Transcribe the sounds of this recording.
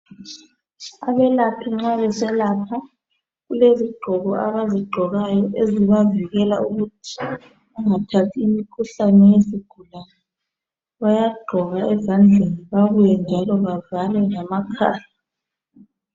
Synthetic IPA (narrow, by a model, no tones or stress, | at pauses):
aβɛlapʰiŋ͡ǁaβɛsɛlapʰa | ɣuleziɡ͡ǃʱɔɣɔaβaziɡ͡ǃʱɔɣajɔʔeziβaviɣɛlauɣutʰi̥ | uŋatʰatʰiːmikʰuɬanɛjeziɡ̥ʱulana | βajaɡ͡ǃʱɔɣaɛzand͡ɮʱeniβaβujɛnd͡ʒʱalɔβavalɛŋamakʰaːja